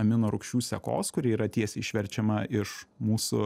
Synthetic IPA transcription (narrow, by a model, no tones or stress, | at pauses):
ɐmʲɪnoːɾʊkʃʲuːsʲɛko̰ːskʊɾʲɪiːɾɐt̪ʲiɛsʲɛiʃʲʋʲɛɾʲt͡ʃʲɛmɐʔɪʃmuːsʊ̰